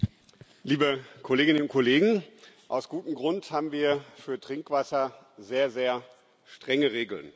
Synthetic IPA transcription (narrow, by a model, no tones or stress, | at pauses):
liːbəkʰoleːɡɪnənʊntkʰoleːɡŋ̩ʔa̰ʊsɡ̥uːtm̩ɡʁʊnthaːbm̩viːɐfyːɐtʁ̥ɪŋkv̥asɐ | zeːɐzeːɐ | ʃtʁ̥ɛŋəʁeːɡl̩n